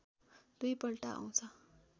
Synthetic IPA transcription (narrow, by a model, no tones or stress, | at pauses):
d̪̥ujpʌlʈaʔa̰w̃t͡sʰʌ